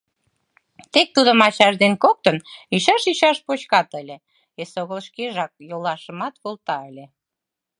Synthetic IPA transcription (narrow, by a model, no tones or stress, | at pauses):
t̪ek̚t̪ud̪əmɑt͡ɕɑʃd̪enkok̚t̪əniʃɑʃiʃɑʃpot͡ɕkɑt̪əlʲĕ | esoɣəlʃkeʒɑk̚jolɑʃəmɑt̪βolt̪ɑəlʲe